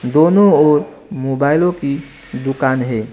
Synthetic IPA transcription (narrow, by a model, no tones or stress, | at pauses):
d̪oːnoɔːɾ | moːbaːɪlõki | d̪ʊkaːnɦe